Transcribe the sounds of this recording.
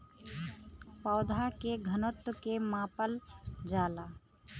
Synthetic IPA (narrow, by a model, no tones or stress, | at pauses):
pɔːd̪ʱakeɡʱənot̪wəkemãːpəld͡ʒaːlaː